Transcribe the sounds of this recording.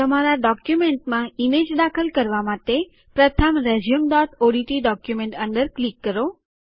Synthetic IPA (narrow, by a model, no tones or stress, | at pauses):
t̪əmaɾaɖɔkjumeɳʈmãimed͡ʒd̪akʰəlkəɾʋamãt̪e | pɾət̪ʰəmɾed͡ʒijəmɖɔʈ̪ʰoɽiʈiɖɔkjumẽɳʈəɳɖəɾklikːəɾo